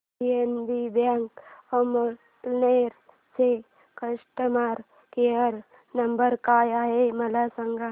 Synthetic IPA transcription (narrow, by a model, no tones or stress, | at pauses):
ienbibaːŋkomo | neɾ | se | kəʃʈəmaːɾ | keəɾ | nɐmbəɾkaːjaɦemɐlasɐŋɡa